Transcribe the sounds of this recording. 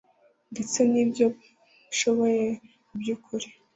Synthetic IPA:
ndet͡senibjo | iʃo̞βo̞je̞ | bjuːkʰuɾi̥

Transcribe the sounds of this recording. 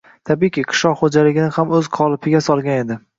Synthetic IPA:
t̪ʰabikʲɪqʰɨ̥ʃɒqχod͡ʒalɪɡʲɪnɪhamɵz̥qʰɒlˠɪpʰɪɡʲasɒlˠɡʲane̞d̪ɪ

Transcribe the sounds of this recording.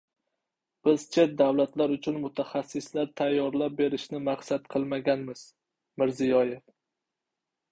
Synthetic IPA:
b̥ɪzt͡ʃʰe̞t̪̚d̪awlat̪laɾʊt͡ʃʰʊnmʊt̪ʰaχasːɪslaɾt̪ʰajːɒɾlap̚be̞ɾɪʃnɪmaqsat̪qʰɨlˠmaɡʲanmɪz̥ | mɪɾzɪjɒjef

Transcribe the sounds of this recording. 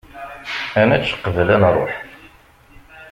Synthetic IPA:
æmæt͡ʃːqːəvəlænrˤoħ

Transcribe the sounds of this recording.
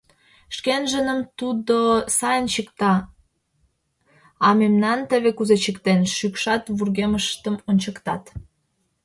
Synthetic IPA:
ʃkenʒənəmt̪ud̪osɑjənt͡ɕəkt̪ɑ | ɑmemnɑnt̪əβekuzet͡ɕəkt̪enʃykʃɑt̪βurɣeməʃt̪əmonʲt͡ɕəkt̪ɑt̪

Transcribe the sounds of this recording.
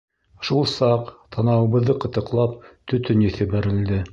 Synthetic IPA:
ʃulˠsɑqt̪ʰɑnɑwɤ̆βɤ̆ðːɤqɤ̆t̪ɤ̆qlˠɑp̚t̪ɵ̆t̪ɵnjɘθɘ̆bæɾɘ̆ld̪ɘ

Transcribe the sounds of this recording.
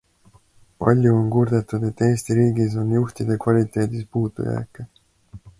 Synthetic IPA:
pɑ̰lʲjuonkurd̪e̞t̪ːˑud̪̥e̞t̪ːe̞ːst̪iɾiːɡis̬o̞njuht̪id̪̥e̞kvɑlʲit̪ˑe̞ːd̪̥ispuːd̪̥ṵjæ̰kːˑe

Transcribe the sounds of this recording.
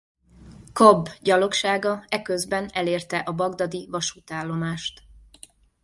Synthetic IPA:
kobɟɒlo̞kʃaːɡɒɛkøzbɛnɛleːrt̪ɛʔɒbɒɡd̪ɒd̪ivɒʃut̪aːlːo̞maːʃt̪

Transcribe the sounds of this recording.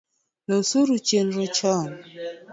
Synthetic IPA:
losuɾut͡ʃenɾɔt͡ʃɔn

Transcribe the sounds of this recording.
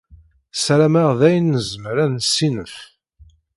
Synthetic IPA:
sɾæmæʁðæjnːəzəmɾænsːinəf

